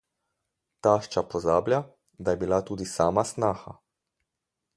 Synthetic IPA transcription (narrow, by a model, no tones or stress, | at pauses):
t̪aːʃt͡ʃapɔzaːblja | d̪ajɛbilat̪uːd̪isaːmasnaːxa̰